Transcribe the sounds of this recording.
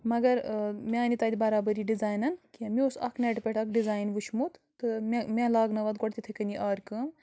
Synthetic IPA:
mɐɡɐɾmʲeːnit̪ɐːd̪ibɐɾaːbɐɾiɖizaːjnɐnkimiosɐ̰kʰneʈpʲeʈʰɐkɖizaːjnʋuʃʰmut̪t̪ɨmemʲẽlaːɡnɐʋɐt̪̚ɡoʈt̪it̪ʰekɐnʲd̪ʲiʔaːɾkəm

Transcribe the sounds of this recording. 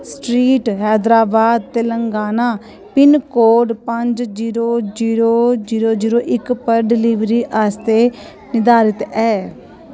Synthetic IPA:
sʈɾiːʈɦɛːd̪ɾaːbaːd̪̚t̪eːləŋɡaːnaː | pɪnkoːɖpəɲd͡ʒd͡ʒiːɾoːd͡ʒiːɾoːd͡ʒiːɾoːd͡ʒiːɾoːʔɪkpəɾɖɪliʋɾiːʔaːst̪eː | nɪd̪aːɾɪt̪ɛː

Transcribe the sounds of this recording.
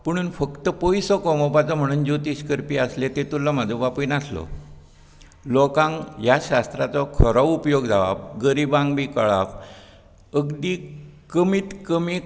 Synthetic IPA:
pəɽ̃uːnfəkt̪əpojsɔkɔmɔpat͡sɔm̤əɽ̃uːnd͡ʑot̪iɕkəɾpiːaslet̪et̪ulːamad͡zʱəʋapiːnaslɔ̰ | lokãŋjaɕast̪ɾat͡sɔkʰəɾɔupjoɡd͡zʱaʋa̰pɡəɾibãŋɡbiːkəɭa̰f | əɡd̪iːkəmit̪kəmi

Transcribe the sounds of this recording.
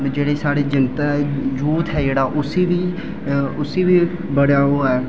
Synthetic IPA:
d͡ʒeːɽeːsaːɽeːd͡ʒɪnt̪aːd͡ʒuːt̪ɦɛːd͡ʒeːɽaːʔʊsiːʋiː | ʊsiːʋiː | bəɽjaːɦoːɛː

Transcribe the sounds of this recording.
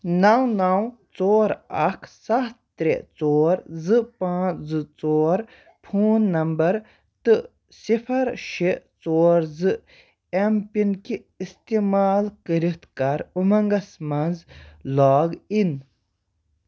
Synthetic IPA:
nawnawt͡soːɾɐkʰsɐt̪t̪ɾeʔt͡soːɾzɨpãːzɨt͡soːɾ | pʰuːnːɐmbɐɾ | t̪ɨ | sipʰɐɾʃeʔt͡soːɾzɨ | empinkiːst̪imaːlkəɾit̪kɐɾumɐŋɡɐsmɐnzlaːɡin

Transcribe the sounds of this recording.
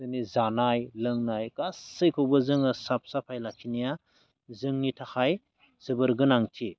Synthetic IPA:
ɯnizanajlɯŋnajkasɯjkʰɯwbɐzɯŋɯsap̚sapʰajlakʰinija | zɯŋnitʰaxʰaj | z̥ɯbɯɾɡɯnaŋtʰi

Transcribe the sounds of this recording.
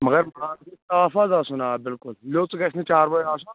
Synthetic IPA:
mɐɡɐɾmɐɽaːnukit̪aːfɐzaːsunaːbɪlkʊlloːt͡sɡɐt͡ʃʰnit͡ʃaːɾbɐjaːs̬un

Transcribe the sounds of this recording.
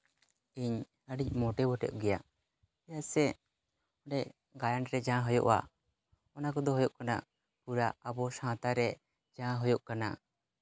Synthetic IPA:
iɲ | əɖic̚ˀmɔʈɛbɔʈɛ̰ʔɡɛjaʔ | jaʔsɛ | ɔɖɛʔ | ɡajanɾɛd͡ʒãɦɔjɔ̰ʔwa̰ | ɔnakɔd̪ɔɦɔjɔʔkana̰ʔ | puɾaʔabɔsãt̪aɾɛ | d͡ʒãɦɔjɔʔkana̰

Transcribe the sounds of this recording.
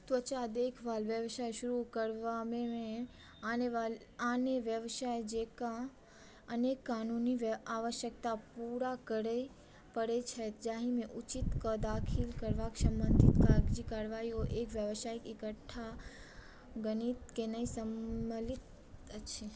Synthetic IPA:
t̪ot͡ʃad̪ekʰʋalʋjəʋʃajʃʊɾukəɾʋamemẽ | n | aneʋjəʋʃajd͡ʒeka | ənekːanuniʋaʋəʃjək̚t̪apuɾakəɽe | pəɽet͡ʃʰet̪d͡ʒaɦimẽʔut͡ʃit̪kəd̪akʰilkəɾʋaksəmbənd̪ʱit̪kaɡd͡ʒikaɾʋaioʔekʋjəʋsaikikəʈʰa | ɡənit̪kenəĩsəmlit̪ | əʃʰe

